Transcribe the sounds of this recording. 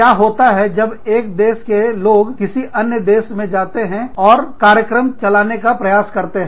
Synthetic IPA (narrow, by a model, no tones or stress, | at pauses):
jaːɦoːt̪aɦɛd͡ʒɐbeːk̚d̪eːʃkeloːɡkɪsiɐnjəd̪eːsmẽd͡ʒaːt̪eɦɛ̃ɔːɾkaːɾjəkɾəmt͡ʃɐlaːnekapɾɐjaːskɐɾt̪eɦɛ̃